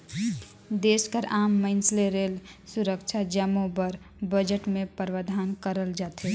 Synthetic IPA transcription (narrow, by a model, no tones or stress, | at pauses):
d̪eːskəɾaːmːəɪnsleɾeːlsuɾəkt͡ʃʰad͡ʒəmõbəɾ | bəd͡ʒəʈmẽpəɾwəd̪ʱaːnkəɾəld͡ʒaːt̪e